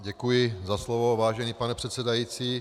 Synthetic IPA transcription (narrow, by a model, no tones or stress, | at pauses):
ɟɛkujɪzaslovovaːʒɛniːpanɛpr̝̥ɛt̪sɛdajiːt͡siː